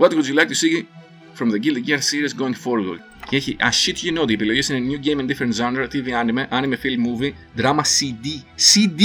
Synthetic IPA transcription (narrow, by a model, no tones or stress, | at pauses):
wɐt̪ixuzilɐk̚t̪usiɣi | fɾomðeɟild̪iciɐɾsiɾesɡoŋfoɾɡol | ceeçiʔɐɕit̪çinot̪iepiloʝisinenjuɟejmend̪ifeɾent̪zand̪eɾt̪iviɐnimeʔɐnimefilmuvi | d̪ɾɐmɐsid̪isid̪